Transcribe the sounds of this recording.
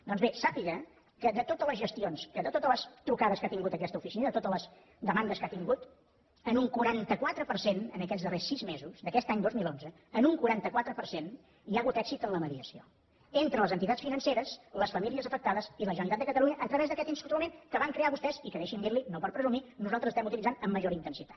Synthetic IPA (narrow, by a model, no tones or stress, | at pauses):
d̪ɔnzβesapiɣə | kəðət̪ot̪ələzʒəst̪ionsəðət̪ot̪ələst̪ɾukaðəskat̪iŋɡut̪əkɛst̪əufisinəðət̪ot̪ələz | d̪əmand̪əskat̪iŋɡut̪ | ənuŋkuɾant̪əkwat̪ɾəpəɾsenənəkɛd͡zðəresːizmezuzd̪əkɛst̪aɲd̪ozmilˠonzə | ənuŋkuɾant̪əkwat̪ɾəpəɾsen | iaːɣut̪ɛksit̪ənləməðiəsio̰ | ent̪ɾələzənt̪it̪att͡ssfinənseɾəsləsfəmiliəzəfək̚t̪aðəziləʒənəlit̪at̪əkət̪əluɲəʔət̪ɾəβɛzðəkɛt̪inst̪ut̪umẽnkəβaŋkɾeaβust̪ɛzikəðɛʃind̪iɾlinopəɾpɾəzuminuzalˠt̪ɾzəst̪ɛmut̪ilid͡zanəmːəʒoɾint̪ənsit̪ḁt̪